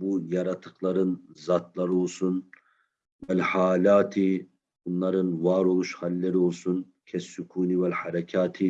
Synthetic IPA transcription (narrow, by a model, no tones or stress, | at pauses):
bujaɾat̪ʰɯ̥qlˠaɾɯnzat̪ʰlˠaɾɯo̞lˠsun | vælħaːlʲaːt̪ʰi | bunlˠɑɾɯnvaːɾo̞lˠuʃhalʲːeɾiolˠsun | cʰɛsːukʰuːnivælʲħaɾacʰaːt̪ʰi